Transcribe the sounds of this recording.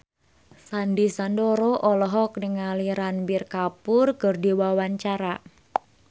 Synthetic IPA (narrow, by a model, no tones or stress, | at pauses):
sandisandoɾoʔɔlɔɦɔk̚nəŋaliɾanbirkapʊrkərdiwawaɲt͡ʃaɾa